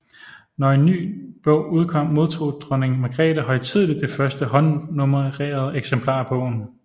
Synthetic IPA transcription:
nɒe̝nːy̰ːb̥ɔʊ̰uð̞ˠkʰɒ̽m̰ːo̝ð̞ˠt͡sʰo̝̰ːd̥ʁɔne̝ŋmeɡ̥ʁɛ̰ːɾ̥əɦɒ̽ɪt͡sʰið̞̰ˠlid̥ːe̝fɶɐsd̥əɦɒ̽nːomɐʁeːɐð̞ˠeɡ̥sempʰlɑ̈ːb̥ɔ̽ʊ̰n̩

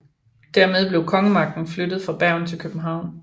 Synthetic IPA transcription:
d̥æɐmeð̞ˠble̝ʊkʰɒ̽ŋəmɑ̈ɡ̥̚d̥n̩flød̥ð̞̩ˠfɑ̈b̥æɐ̰n̩t͡sʰe̝lkʰøb̥n̩ɦɑ̈ʊ̰n

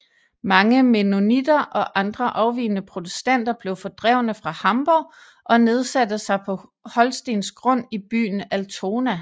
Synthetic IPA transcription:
mɑ̈ŋəme̝no̝nid̥ɐʔɒ̽ʔɑ̈nd̥ʁɐʔɑ̈ʊʋḭːnəpʰʁot͡sʰesd̥æn̰d̥ɐb̥le̝ʊfɒ̽d̥ʁɛʊ̰nəfʁɑ̈hɑ̈mb̥ɒ | ʔɒ̽ne̝ð̞ˠsæd̥əsɑ̈ɪpʰɒ̽hɒ̽lsd̥e̝̰ːnsɡ̥ʁɔ̽n̰ib̥y̰ːn̩ælt͡sʰo̝ːnæ

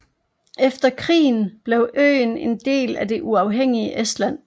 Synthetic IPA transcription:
efd̥ɐkʰʁḭːn̩b̥leʊʔø̰ːne̝nd̥e̝̰ːlæd̥e̝ʔuɑ̈ʊɦeŋ̰iəʔesd̥læn̰

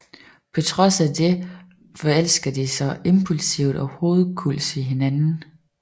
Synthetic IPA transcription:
pʰɒ̽t͡sʰʁɒ̽sæd̥e̝ | fɒ̽el̰sɡ̥ɐd̥isɒ̽ʔe̝mpʰulsiʊd̥ɒ̽ho̝ːð̩ˠkʰul̰d̥iɦe̝nænn̩

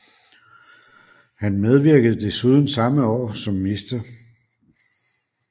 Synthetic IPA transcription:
hænmeð̞ˠʋiɐɡ̥əð̞̩ˠd̥e̝suːð̞ˠn̩sɑ̈məɒ̰ːsɒ̽mːisd̥ɐ

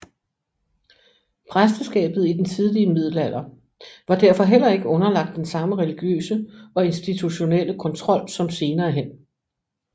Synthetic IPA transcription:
pʰʁasd̥ɐsɡ̥ɛ̰ːb̥ð̞̩ˠid̥ent͡sʰið̞ˠliəmið̞̰ˠl̩æl̰ɐ | ʋɑ̈d̥æɐ̰fɒ̽ɦel̰ɐe̝ɡ̥əɔ̽nɐlɑ̈ɡ̥̚d̥ːensɑ̈məʁɛliɡ̥jø̰ːsəɒ̽e̝nsd̥it͡sʰuɕo̝nel̰əkʰɒ̽nt͡sʰʁɒ̽l̰sɒ̽mse̝ːnɐːɦen̰

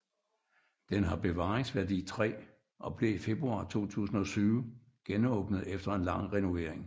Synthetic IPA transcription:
d̥enɦɑ̈b̥e̝ʋɑ̈ːe̝ŋsʋæɐdḭːt͡sʰʁɛ̰ː | ʔɒ̽b̥le̝ife̝b̥ʁuɑ̰̈t͡sʰo̝̰ːt͡sʰṵːsn̩ɒ̽syːʊə | ɡ̥enɔːb̥nəð̞̩ˠefd̥ɐe̝nlɑ̈ŋ̰ʁɛno̝ʋe̝ɐ̰eŋ

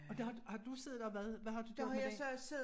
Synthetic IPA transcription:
ɒd̥ehɑ̥̈hɑ̈d̥use̝ðˠdɒʋæðˠʋæɦɑ̈d̥ud̥ejsɔseð

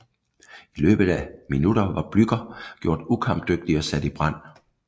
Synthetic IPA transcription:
ilø̰ːb̥ð̩ˠæminuɾ̥ɐʋɑ̈b̥lyɡ̥ɐɡ̥jo̝ɐ̰d̥ukʰɑ̈m̥d̥øɡ̥̚d̥iɒ̽sæd̥ib̥ʁɑn̰

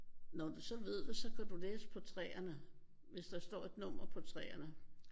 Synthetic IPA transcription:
nɒd̥usɒ̽ʋe̝ð̞̰ˠd̥esɒ̽kʰæd̥uleːsə̥pʰɒ̽t͡sʰʁɛːɐnə | ʋe̝sd̥ɑ̈sd̥ɒ̰ːe̝d̥nɔm̰ɐpʰɒ̽t͡sʰʁɛ̰ːɐnə

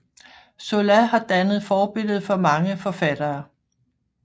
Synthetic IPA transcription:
solæhɑ̈d̥ænəð̩ˠfɒːb̥e̝l̰ð̩ˠfɒ̽mɑ̈ŋəfɒ̽fæd̥ɐː

